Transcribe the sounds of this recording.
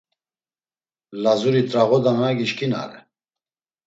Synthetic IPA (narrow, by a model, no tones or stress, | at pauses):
lazuɾit̪ʼɾaɣɔd̪anaɡiʃkʰina̰ɾɛ